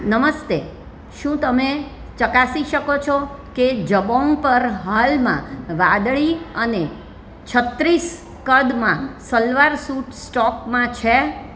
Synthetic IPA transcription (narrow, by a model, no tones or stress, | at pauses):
nəməst̪e | ʃũt̪əme | t͡ʃəkasiʃəkot͡ʃʰɔked͡ʒəbõŋɡpəɾɦalmãʋãd̪ɭiəne | t͡ʃʰət̪ɾis | kəɾd̪mãsəlʋaɾsuʈsʈɔkmãt͡ʃʰe